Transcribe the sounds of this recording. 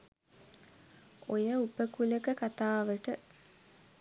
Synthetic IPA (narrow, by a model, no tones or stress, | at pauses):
ojəupəkuləkəkat̪aːʋəʈə